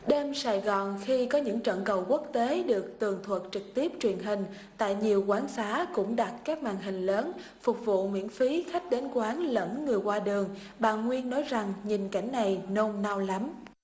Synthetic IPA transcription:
ɗe˧msaː˧˩jɣɔ˨˩nxi˧kɔ˨˦ɲɨ̰˧˥ŋt͡ɕə̰˧˨nkə˨˩wku˦˥ək̚t̪e˨˦ɗɨ˨˩ək̚t̪ɨ˨˩əŋt̪ʰwə˨˩t̚t͡ɕɨ˨˩k̚t̪i˦˥əp̚t͡ɕwi˨˩ənɦï˨˩ŋ̟ | t̪a̰ː˧˨jɲi˨˩əwkwaː˨˦nsaː˨˦kʊ̰˧˥ŋ͡mɗa˨˩t̚kaː˦˥k̚maː˧˨˩nɦï˨˩ŋ̟ləː˨˦n | fʊ˨˩k͡p̚vṵ˧˨mwḭ˧˥ənfi˨˦xa˦˥jk̟̚ɗe˨˦nkwaː˨˦nlə̰˧˥nːɨ˨˩əjkwaː˧ɗɨ˨˩əŋ | ɓa̰ː˧˨nŋwi˧ənːɔ˨˦jza˨˩ŋɲi˨˩nka˧˩jŋ̟na˨˩jno˧mna˧wla˨˦m

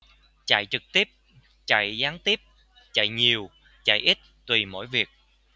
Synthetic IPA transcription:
t͡ɕa̰˧˨jt͡ɕɨ˨˩k̚t̪i˦˥əp̚ | t͡ɕa̰˧˨jzaː˨˦ŋt̪i˦˥əp̚ | t͡ɕa̰˧˨jɲi˨˩əw | t͡ɕa̰˧˨jʔi˦˥t̚t̪wi˨˩mo̰˧˥jvi˨˩ək̚

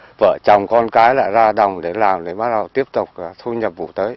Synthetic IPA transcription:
və̰ː˧˨t͡ɕɔ˨˩wŋ͡mkɔ˧nkaː˨˦jla̰ː˧˨jzaː˧ɗa˨˩wŋ͡mɗe˧˩˦laː˨˩mɗe˧˦ɓaː˦˥ɗa˨˩t̪i˦˥əp̚t̪ʊ˨˩k͡p̚ːt̪ʰu˧ɲə˨˩p̚vṵ˧˩t̪əː˨˦j

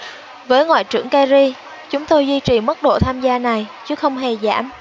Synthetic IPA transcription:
vəː˨˦jŋwa̰ː˧˨jt͡ɕɨ̰˧˩əŋkaː˧zi˧ | t͡ɕʊ˨˦ŋ͡mt̪o˧jzwi˧t͡ɕi˨˩mə˦˥t̚ɗo̰˧˨t̪ʰaː˧mzaː˧na˨˩jt͡ɕɨ˨˦xə˧wŋ͡mɦe˨˩za̰ː˧˩m

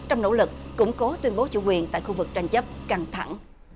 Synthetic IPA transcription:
t͡ɕɔ˧wŋ͡mno̰˧˥lɨ˨˩k̚ːʊ̰˧˥ŋ͡mkɔ˨˦t̪wi˧ənɓo˨˦t͡ɕṵ˧˩kwi˨˩ənt̪a̰ː˧˨jxu˧vɨ˨˩k̚t͡ɕa˧jŋ̟t͡ɕə˦˥p̚ka˧ŋt̪ʰa̰˧˩ŋ

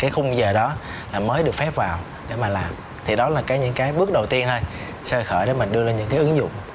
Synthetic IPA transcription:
kaː˨˦jxʊ˧ŋ͡mzəː˨˩ɗɔ˨˦laː˨˩məː˨˦jɗɨ˨˩ək̚fɛ˦˥p̚vaː˨˩w | ɗe˧˩maː˨˩laː˨˩m | t̪ʰi˨˩ɗɔ˨˦laː˨˩kaː˨˦jɲɨ̰˧˥ŋkaː˨˦jɓɨ˦˥ək̚ɗə˨˩wt̪i˧ənh̪o˧j | səː˧xəː˧˩jɗe˧˩mï˨˩ŋ̟ɗɨ˧əzaː˧nɲɨ̰˧˥ŋkaː˨˦jʔɨ˨˦ŋzʊ̰˧˨ŋ͡m

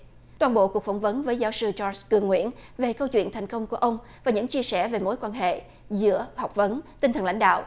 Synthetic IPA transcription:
t̪waː˧nɓo̰˧˨ku˨˩əkfa˧˩ŋ͡mvə˨˦nvəː˨˦jzaː˨˦wsɨ˧t͡ɕɔ˧kɨ˨˩əŋːwḭ˧˥ənve˨˩kə˧wt͡ɕwḭ˧˨ənt̪ʰa˨˩jŋ̟kə˧wŋ͡mku˧˩ʔə˧wŋ͡m | vaː˨˩ɲɨ̰˧˥ŋt͡ɕi˧əsɛ˧˩ve˨˩mo˨˦jkwaː˧nɦḛ˧˨ | zɨ̰˧˥əha˨˩wk͡p̚və˨˦nt̪i˧ŋt̪ʰə˨˩nla̰˧˥ŋ̟ɗa̰ː˧˨wʔ

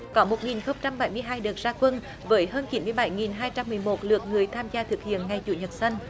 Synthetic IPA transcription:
kɔ˨˦mo˨˩t̚ŋi˨˩nxə˧wŋ͡mt͡ɕa˧mɓa˨˦jmɨ˧əjɦaː˧jɗɨː˨˩t̚zaː˧kwə˧n | vəː˨˦jɦəː˧nt͡ɕi˨˦mɨ˧əjɓa˨˦jŋi˨˩nɦaː˧jt͡ɕa˧mːɨ˨˩əjmo˨˩t̚lɨ̰˨˩ək̚ŋɨ˨˩əjt̪ʰaː˧mzaː˧t̪ʰɨ˨˩k̚hḭ˧˨ənŋa˧˩jt͡ɕṵ˧˨˦ɲə˨˩t̚sə˧jŋ̟

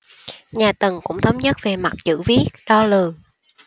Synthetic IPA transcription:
ɲaː˨˩t̪ə˨˩ŋkʊ̰˧˥ŋ͡mt̪ʰə˨˦wŋ͡mɲə˦˥t̚ve˨˩ma˨˩t̚t͡ɕɨ̰˧˥vi˦˥ət̚ɗɔ˧lɨ˨˩ə

